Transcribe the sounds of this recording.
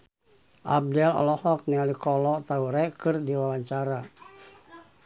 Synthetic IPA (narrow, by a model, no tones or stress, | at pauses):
ʔa̰b̚dɛlɔ̰lɔhɔk̚nialikɔlɔt̪auɾɛkɨrdiwawaɲt͡ʃaɾa